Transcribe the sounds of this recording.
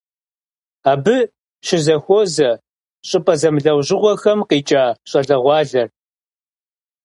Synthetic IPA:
aːbɨ | ʃɪzɐxʷoːzɐ | ɕʼɨpʼɐzɐmɮɐwʑɪʁʷɔxɐmqiːt͡ʃʼaːɕʼɐɮɐʁʷɑːɮɐr

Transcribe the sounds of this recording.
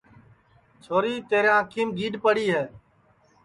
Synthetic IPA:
t͡ʃʰoːɾiːt̪eːɾãːkʰiːmɡiːɗpəɽiːɦeː

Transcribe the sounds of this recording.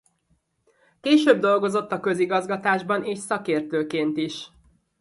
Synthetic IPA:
keːʃøːb̚d̪o̞lɡo̞zo̞t̪ːɒkø̞ziɡɒzɡɒt̪aːʒbɒneːʃsɒkeːrt̪øːkeːnt̪iʃ

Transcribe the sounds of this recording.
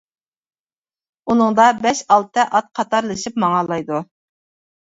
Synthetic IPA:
unɨŋd̪ɑbɛʃɑlˠt̪ʰɨʔɑt̪̚qʰɑt̪ʰɑɾlˠɨʃipmɑŋɑlˠɑjd̪u

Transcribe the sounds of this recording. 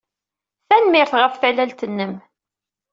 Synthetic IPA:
θænmɪɾθʁəfθælːælt̪ənːəm

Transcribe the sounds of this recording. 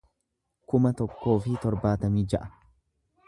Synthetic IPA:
kʊmɐt̪ɔkːo̞ːfɪt̪ɔɾbaːt̪ɐmiːd͡ʒɐʔɐ

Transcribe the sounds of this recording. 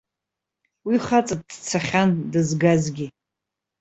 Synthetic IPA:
wiχat͡sʼadt͡sʰaχʲandɨzɡazɡʲi

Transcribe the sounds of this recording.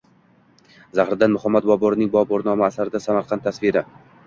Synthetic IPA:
zahɾɪd̪anmʊhamːat̪̚bɒbɒɾɪnɪŋbɒbɒɾnɒmaasaɾɪd̪asamaɾqʰɑnt̪ːʰasviɾa

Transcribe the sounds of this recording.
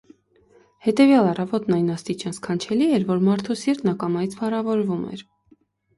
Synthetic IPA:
hɛt̪ɛvjɑlɑrɑvɔt̪nɑjnɑst̪it͡ʃɑnsʰkʰɑnt͡ʃʰɛliɛɾvɔɾmɑɾt̪ʰusiɾt̪nɑkɑmɑjit͡sʰfɑrɑvɔɾvumɛ̰ɾ

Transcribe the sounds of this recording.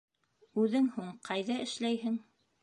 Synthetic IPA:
ʉðɘŋhuɴqʰɑjðɑɘ̆ʃlæjɦɘŋ

